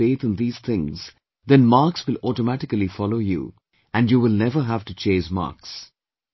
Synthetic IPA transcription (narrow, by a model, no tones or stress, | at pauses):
eːt̪ʰə̃nd̪iːz̥t̪ʰɪ̃ŋz | d̪ɛ̃nmɑɾkswɪlɔʈəmæʈɪkəlifɔloʊjṵ | æ̃nɖjuːʋɪlnɛvəɾɦæv̥ʈut͡ʃeːzmɑ̰ːks